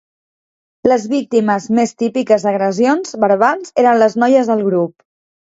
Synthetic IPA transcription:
ləzβik̚t̪iməzmest̪ipikəzðəɣɾəzionzβəɾβalˠzeɾənləznɔjəzðəlˠɣɾup̚

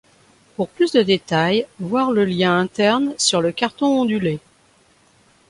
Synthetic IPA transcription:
puʁplysd̪əd̪et̪ajvwaʁləljɛ̃ɛ̃t̪ɛʁnsyʁləkaʁt̪ɔ̃ɔ̃d̪yle

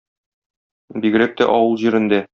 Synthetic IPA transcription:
biɡɘ̆ɾæk̚t̪æ̰ʔɒwɤlˠʑiɾɘ̆nd̪æ

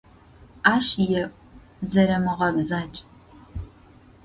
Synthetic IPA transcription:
aːʂjɛʔʷʼ | zɐɾɐmɨʁɐbzaːt͡ʃʼ

